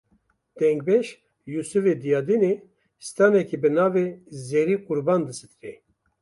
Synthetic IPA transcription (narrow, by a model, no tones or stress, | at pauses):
d̪̥ɛŋɡ̚bɛʃ | jusɨved̪ijɑːd̪ine | sɨ̥t̪ɑːnɛkibɨnaːvezɛɾiːquɾbɑːnd̪ɨsɨt̪ɾe